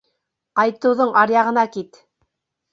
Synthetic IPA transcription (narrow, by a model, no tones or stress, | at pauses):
qɑjt̪ɤ̆wðoɴɑɾjɑʁɤ̆nɑkit̪